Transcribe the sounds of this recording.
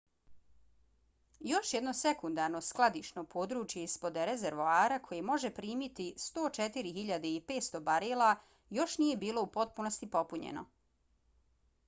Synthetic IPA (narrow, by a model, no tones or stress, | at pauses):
jo̞ʃjed̪no̞se̞kund̪aɾno̞sklˠad̪iʃnopʰo̞ːd̪ɾuːt͡ʃjeispo̞d̪ɾezeɾʋoaːɾakʰo̞jemo̞ʒepɾiːmit̪ist̪o̞ːt͡ʃet̪iɾixiʎad̪eipe̞ːt̪st̪o̞baɾelˠa | jo̞ʃnije̞biːlo̞upo̞t̪̚puno̞st̪ipo̞puɲḛno̞̰